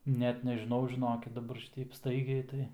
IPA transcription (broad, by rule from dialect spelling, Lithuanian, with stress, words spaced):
ˈnʲɛt nʲɛʒʲɪˈnɐʊ ʒʲɪˈnoːkʲɪt dɐˈbɐr ˈʃʲɪtʲɛɪp ˈstɐɪɡʲɛɪ tɐɪ